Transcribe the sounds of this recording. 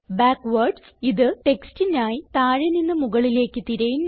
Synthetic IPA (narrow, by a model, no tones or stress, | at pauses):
baːkːʋɐrɖ | iðɨʈe̞kstinaːjit̪aːɻɐninːɨmuɣɐɭile̞ːkːɨt̪iɾɐjun